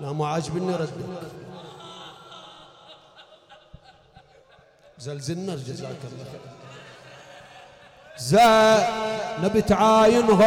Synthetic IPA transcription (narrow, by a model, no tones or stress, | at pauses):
namaʕad͡ʒbinːiɾɐd̪i | zalzinːaɾd͡ʒaza̰ːkalːa | za | nabit̪ʕajinɦ